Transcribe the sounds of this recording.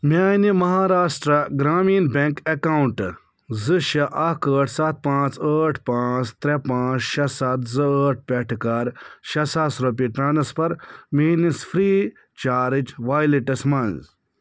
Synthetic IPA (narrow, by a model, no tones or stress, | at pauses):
manimɐɦaːɾaːsʈɾɐɡɾaːmiːnbʲeŋkekawuɳʈ | zɨʃɐʔɐkəːʈʰsɐt̪̚pãːt͡səːʈʰpãːt͡st̪ɾepãːt͡sʃɐsɐt̪zɨəːʈ̚ʰpʲɛʈʰkɐɾʃɐsaːsɾɐp̬iʈɾaːnɐspɐɾmiːnisfʰɾiː | t͡ʃaːɾit͡ʃʋaːjliʈɐsmɐnz